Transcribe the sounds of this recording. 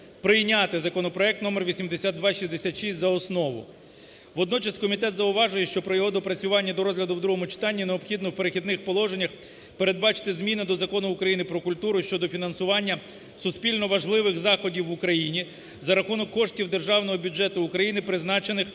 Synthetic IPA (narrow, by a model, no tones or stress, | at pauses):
pɾɪjnʲɑt̪ɪzɐkɔnɔpɾɔɛk̚t̪nɔmerʋʲisʲimd̪esʲad̪̚d̪ʋɑʃizd̪esʲat̪ʃisʲtʲzɐɔsnɔʋʊ̰ | ʋɔd̪nɔt͡ʃɐskɔmʲit̪ɛt̪zɐʊʋɑʒʊjɛʃt͡ʃɔpɾɔjɔɦɔd̪ɔpɾɐt͡sʲʊʋɑnʲːɐd̪ɔɾɔzɦlʲɐd̪ʊwd̪ɾuɦɔmʊt͡ʃɪ̥t̪ɑnʲːineɔbxʲid̪nɔwpeɾexʲid̪nɪxpɔlˠɔʒenʲːɐx | pe̞ɾed̪̚bɑt͡ʃɪ̥t̪ɪzmʲinɪd̪ɔzɐkɔnʊːkɾɐjinɪpɾɔkʊlʲt̪uɾʊʃt͡ʃɔd̪ɔfʲinɐnsʊʋɑnʲːɐ | sʊspʲilʲnɔʋɐʒlˠɪʋɪxzɑxɔdʲiwːʊkɾɐjinʲi | zɐɾɐxunɔkːɔʃtʲiwd̪e̞rʒɑwnɔɦɔbʲud͡ʒɛt̪ʊːkɾɐjinɪpɾɪznɑt͡ʃenɪx